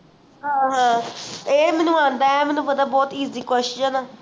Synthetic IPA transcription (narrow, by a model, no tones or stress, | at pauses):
ɦãːɦãːt̪eːmɛːnũːãːnd̪aːɛmɛːnũːpəd̪aːbɔːt̪iːziːkwɛʃaːnaː